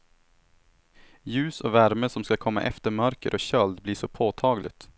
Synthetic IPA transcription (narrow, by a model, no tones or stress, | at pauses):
jʉːsoːvæɾməsɔmskɑkʰɔmːa̰ʔɛft̪əɾmœɾkəɾʔoːɕœld̪bliːʂɔpʰoːt̪ʰɑːɡlɪ̰t̪